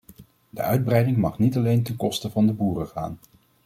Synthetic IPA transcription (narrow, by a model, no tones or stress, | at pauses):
də̰ʔœɥd̚brɛjdɪŋmɑχnitɑlejntɛnkɔstəvɑndəbuːrəχa̰ːn